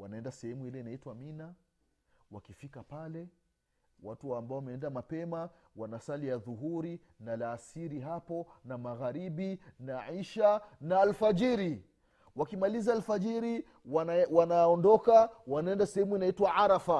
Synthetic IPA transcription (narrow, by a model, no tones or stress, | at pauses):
wanaɛndasɛhɛmuilɛinaitwamina | wa̰kifikapalɛ | watuambaɔwamɛɛndamapɛmawanasalijaðuɦuɾi | nalaːsiɾiɦapɔnamaɣaɾiɓinaʕiʃanaːlfad͡ʒiɾi | wakimalizaːlfad͡ʒiɾi | wanaɔndɔkawanaɛndasɛhɛmuinaitwaaɾafa